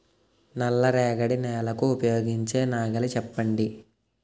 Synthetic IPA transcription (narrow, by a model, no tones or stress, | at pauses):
nɐlːɐɾɛːɡɐɽinɛːlɐkuːpɐjo̞ːɡiɲt͡ʃe̞ːnaːɡɐlɐt͡ʃɛpːɐɳɖi